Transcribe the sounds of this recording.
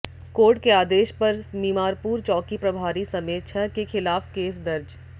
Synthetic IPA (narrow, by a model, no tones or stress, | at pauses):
koːɾʈkeaːd̪eːʃpɐɾmiːmaːɾpuːɾt͡ʃɔːkipɾɐbʱaːɾisɐmeːt̪ʃʰɐkexʰɪlaːfkeːs̬d̪ɐɾd͡ʒ